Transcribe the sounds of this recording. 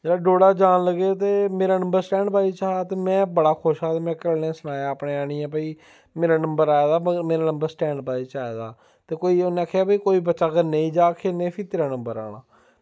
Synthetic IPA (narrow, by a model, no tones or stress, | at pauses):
d͡ʒeːɽaːɖoːɽaːd͡ʒaːnləɡeːt̪eːmeːɾaːnə̃mbəɾsʈɛ̃ːɳɖpaːiːt͡ʃaːɽaːt̪eːmɛ̃ːbəɽaːkʰoːʃaːt̪eːmɛ̃ːkəlnẽːsənaːjaːəpɽeːaːɽ̃iːɛ̃ːpəiː | meːɾaːnəmbəɾaːjad̪aːməmeːɾaːnə̃mbəɾsʈɛ̃ːɳɖpaːiːt͡ʃaːeːd̪a̰ː | t̪eːkoːiːonẽaːkʰejaːbəiːkoːiːbətːʃaːkəɾnə̃ĩːd͡ʒaːkʰeːnẽːpʰɪt̪eːɾaːnə̃mbəɾa̰ːɽ̃aː